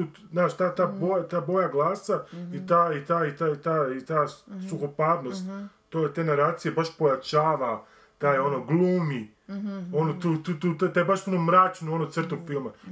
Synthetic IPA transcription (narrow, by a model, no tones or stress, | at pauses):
u | znaːʃt̪aːt̪aːbojat̪aːbo̞jaɡlˠaːsait̪aːit̪aːit̪at̪aːit̪aːsuxopaːɾno̞st̪t̪ːojet̪enaɾaːt̪sijebaʃpo̞jat͡ʃaːʋa | t̪aːjo̞noɡlˠuːmi | o̞not̪uːt̪uːt̪uːt̪at̪ajebaʃuonomːɾat͡ʃnuo̞not̪srt̪oɡfilˠma